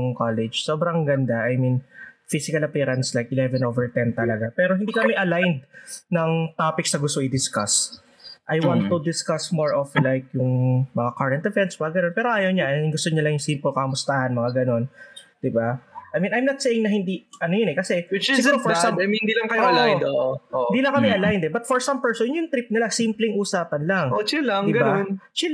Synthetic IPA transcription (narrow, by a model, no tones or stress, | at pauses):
kalɛd͡ʒsoːbɾɐŋɡɐnd̪aʔɐjminfisɪkɐlɐpɛːɾɐnslajkɪlɛvɛnʔovɛɹt̪ɛnt̪ɐlɐɡapɛːɾohɪnd̪iːkɐmɛʔɐlajnd̪̚nɐŋt̪aːpɪksɐɡʊst̪oɪd̪ɪskas | ʔɐjwanːud̪ɪskɐsmoɹʔoflajkjʊŋmɐŋakaɹɛnt̪dɛfɛnsmɐŋaɡɐnonpɛːɾoʔaːjɐwɲaɐʊŋɡʊst̪oɲɐlɐŋjʊŋsimpolkɐɐmʊst̪ahɐnmɐŋaɡɐno̞nd̪̥ɪbaʔɐjmĩnʔɐjmnɐt̪̚sejɪŋnɐɦɪnd̪iʔɐnojonɛkɐsɛwsɪɡuɾofmɪnd̪ilɐŋkɐjlaoʔoɪnd̪iːlɐŋkɐmɛʔɐlajnd̪ɛbɐt̪̚fɔɹsɐmpɛɹsonjʊŋt̪ɾip̚nɪlasimplɛŋʔuːsaːpɐnlaŋot͡ʃilɐŋd̪iɡɐbant͡ʃɪ